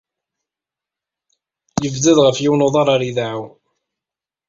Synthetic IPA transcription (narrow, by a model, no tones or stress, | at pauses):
jəvd̪əðʁəfjiwnoðˤɑɾˤɑɾiðaʕuw